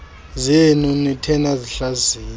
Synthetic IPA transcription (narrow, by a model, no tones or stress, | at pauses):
zenunitʰɛnaziɬaziːn